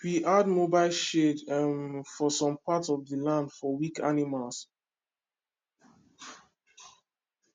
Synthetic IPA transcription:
wiʔad̚mobaɪlʃedmfɔsɔ̃mpatɔvðəlãndfɔwika̰nimals

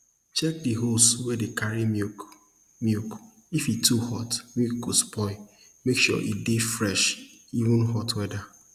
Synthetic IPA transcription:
t͡ʃɛk̚diɦoswɛdekaɹi | mjuk | ifitʰuhɔtmikuspɔɪ | mekʃṵʔḭdefɾɛʃivʊ̃nɦɔtwɛda

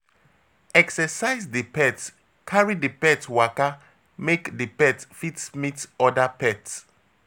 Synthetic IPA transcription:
ɛksɛsajzdipɛt | kʰaɹidipɛtwaka | mekdipɛtfitmitɔdapɛts

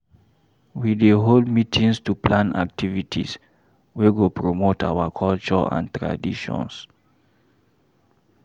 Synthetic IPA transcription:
wideɦoldmitʰĩŋstuplãna̰k̚tʰivitʰḭs | weɡopɹomotʰa̰wakʰɔlt͡ʃɔã̰ntɹa̰diʃɔ̰̃ns

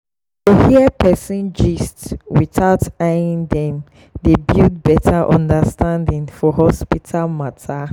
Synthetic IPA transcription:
tohiɛpʰɛsĩnd͡ʒistswiθaʊtaĩŋdɛ̃m | debild̚bɛtʰaʔɔ̃ndastʰãndĩŋfɔɦɔspitʰalmatʰa

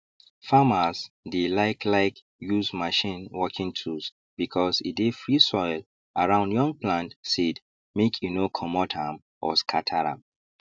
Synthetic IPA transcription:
famazdelaɪklaɪk | juzmaʃĩnwɔkʰĩŋtʰus | b̥ikʰɔsḭdefɹisɔɪl | aɹãʊ̃ndjɔ̃ŋ̚pʰlãntsid | mekʰjunokʰɔmɔtʰãm | ʔɔskʰatʰaɹã̰m

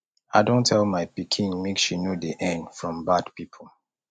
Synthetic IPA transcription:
aɪdõntʰɛlˠmaɪpikʰĩnmekʃinodiʔɛ̃ndfɹɔ̃mbadpipʰə

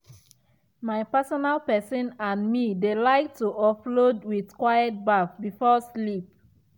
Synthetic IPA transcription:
maɪpɛsɔnalpɛsɔ̃nãnmidelaɪk̚tuɔflodwiðkwajɛt̚bafbifɔslip̚

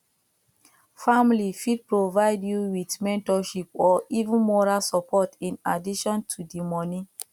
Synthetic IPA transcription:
famlifid̚pɹovaɪdjuwitmɛ̃ntɔʃipɔivũnmɔɹalsɔpʰɔtĩnadiʃɔ̃ntʰudimɔnĩ

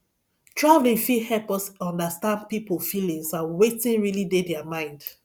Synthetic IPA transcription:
tʰɹavlĩŋfihɛlpɔsɔ̃ndəstãndpipofilĩŋsãnwetĩnɹilidedɛamãɪ̃nd̥

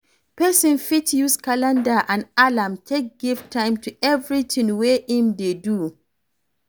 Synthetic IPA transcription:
pɛsɔ̃nfitjuskalãndaʔãnalãmtʰek̚ɡ̥iftʰːãɪ̃mtuɛvɹitʰĩŋweĩmdedu

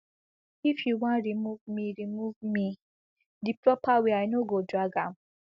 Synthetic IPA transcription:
ifjuwãnɾimuvmiɾimuvmi | dipɾɔpawiaɪnoɡodɾaɡam̩

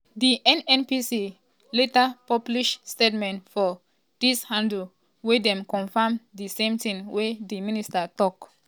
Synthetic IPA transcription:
diʔɛ̃nɛ̃npisi | letapɔbliʃstetmɛ̃ntfɔ | d̥ishãndl̩ | wedɛ̃mkɔ̃nfamdisẽmtĩŋwʔediministatɔk

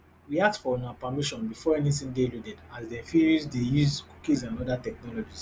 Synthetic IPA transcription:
wiak̚tfɔɔ̃naapamiʃɔ̃nbifɔɛnitĩndeludɛdazdɛ̃nfiuzdejuzku̥kizãnɔdatɛk̚nɔlɔd͡ʒis

